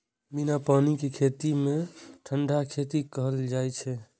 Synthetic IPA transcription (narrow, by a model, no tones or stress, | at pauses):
binapanikekʰet̪imeʈʰəɳɖakʰet̪ikəɦəld͡ʒajt͡ʃʰɛ